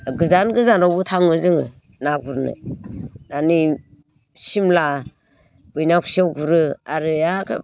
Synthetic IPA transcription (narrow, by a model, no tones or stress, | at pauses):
ɡɯzanɡɯzanɾawbutʰaŋɯzɯŋɯ̰ | naɡuɾnɯ̰nani | simla | b̥ɯjnakʰsiawɡuɾɯaɾɯjakʰ